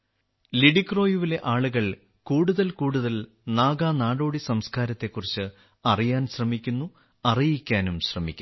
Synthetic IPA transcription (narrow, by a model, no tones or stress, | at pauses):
liɽikro̞ːjuʋile̞ʔaːɭuɣɐɭ | kuːɽuðɐlkuːɽuðɐl | naːɡaːnaːɽoːɽisɐmskaːɾɐt̪ːe̞kːurit͡ɕːɨ | ɐrijaːnɕrɐmikʲːunːu | ɐrijikʲːaːnumɕrɐmikʲːu